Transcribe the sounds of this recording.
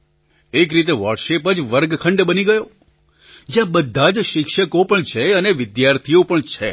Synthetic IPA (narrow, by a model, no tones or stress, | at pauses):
ekɾit̪eʋəɾɖʃepəd͡ʒʋəɾɡkʰəɳɖbəniɡəjo | d͡ʒjãbəd̪ʱːad͡ʒʃɪkʃəkopəɳt͡ʃʰeəneʋɪd̪jaɾt̪ʰiopəɳt͡ʃʰe